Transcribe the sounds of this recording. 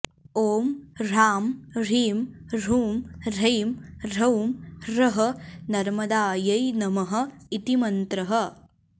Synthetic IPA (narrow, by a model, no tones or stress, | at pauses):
oːmɾaːmɾiːmɾuːmɾɐjmɾɐwmɾɐɦɐ̆nɐɾmɐd̪aːjɐjnɐmɐɦɐ̆it̪imɐnt̪ɾɐɦɐ̆